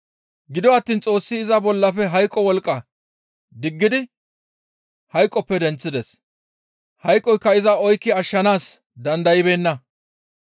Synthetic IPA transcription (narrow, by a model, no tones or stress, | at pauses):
ɡɪd̪ɔɐt̪ːiːnt͡sʼo̞ːsːɪːzɐbɔlːɐfɛɦɐjkʼːɔwɔlkʼːɐ | d̪ɪɡːɪd̪ɪ | hɐjkʼːɔpːɛd̪ɛnt͡sːɪd̪ɛs | hɐjkʼːɔjkːɐɪzɐɔjkːɪɐʃːɐnaːs | d̪ɐnd̪ɐjɪbe̞ːnːɐ